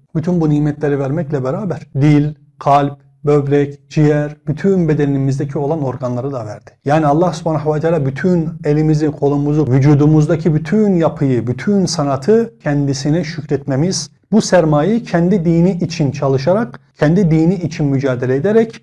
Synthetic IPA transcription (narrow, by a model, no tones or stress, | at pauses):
byt̪ʰynbuniːmɛt̪ʰlʲeɾivæɾmɛclʲɛbɛɾaːbæɾ̥d̪ilʲ | kʰalʲp̚ | bøvɾɛcd͡ʒijæɾbyt̪ʰynbe̞d̪enimizd̪ecʰio̞lˠano̞ɾɡanlˠaɾɯd̪avæɾd̪̥i̥jaːnialˠːahsy̥pʰaːnaɦvɛt̪ʰaːlʲabyt̪ʰyne̞lʲimizikʰo̞lˠumːuzuvyd͡ʒuːd̪umuzd̪acʰibyt̪ʰynjapʰɯjɯbyt̪ʰynsanat̪ʰɯcʰɛnd̪isinɛʃycɾɛt̪memiz̥ | busæɾmaːjɯcʰɛnd̪id̪iːniʔit͡ʃʰint͡ʃʰalˠɯʃaɾakcʰɛnd̪id̪iːniːt͡ʃʰinmyd͡ʒaːd̪elʲɛed̪eɾɛc